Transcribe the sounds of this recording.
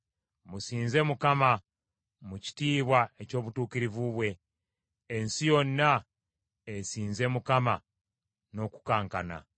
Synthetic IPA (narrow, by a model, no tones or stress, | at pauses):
musiːnze̞mukama | muci̥tiːβwae̞co̞ːβutuːkiɾivuβwe̞ː | nsijo̞nːa | esiːnze̞mukama | no̞ku̥kaːŋkana̰